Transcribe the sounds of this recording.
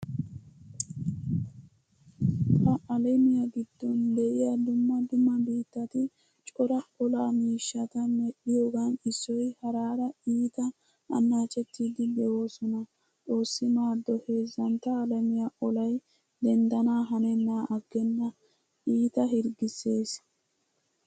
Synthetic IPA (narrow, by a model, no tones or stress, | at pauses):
hɐʔɐlɛmɪjaɡɪd̪ːɔnd̪ɛʔɪjɐd̪ʊmːɐd̪ʊmːɐbiːt̪ːɐt̪ɪ | t͡ʃʼɔɾɐɔlaːmiːʃːɐt̪ɐmɛɗɪjoːɡanɪsːɔjhɐɾaːɾɐiːt̪ɐ | ʔɐ̰nːaːt͡ʃʼɛt̪ːiːd̪ɪb̪ɛwo̞ːsɔnɐ | t͡sʼo̞ːsːɪmaːd̪ːɔhe̞ːzːɐnt̪ːɐːlɛmɪjaʔɔlɐj | d̪ɛnd̪ɐnaːɦɐnɛnːaːʔɐɡːɛnːɐ | ʔiːt̪ɐɦɪɾɡɪse̞ːs